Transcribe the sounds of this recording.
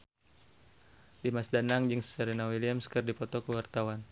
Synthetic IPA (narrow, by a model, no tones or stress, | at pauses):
dimasdanaŋd͡ʒɨŋsəɾinawiliamskərdipɔt̪ɔkəwart̪awan